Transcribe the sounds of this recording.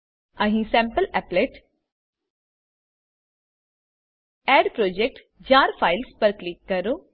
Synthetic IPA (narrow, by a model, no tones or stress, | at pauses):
ɐɦĩsɛ̃mpəlɛːpleːʈ | ɛːɖpɾoːd͡ʒek̚ʈ | d͡ʒaːɾfaːɪlspɐɾklikːɐɾo